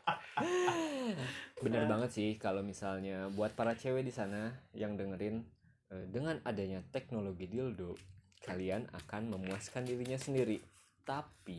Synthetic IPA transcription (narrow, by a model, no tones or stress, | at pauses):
bənarbaŋət̪sɪhkalowmisalɲabuat̪̚paɾat͡ʃewɛdisanajaŋdəŋəɾɪn | ədəŋanadaɲat̪ɛk̚noloɡidildokʰaliana̰kanməmuaskandiɾiɲasəndiɾi | t̪api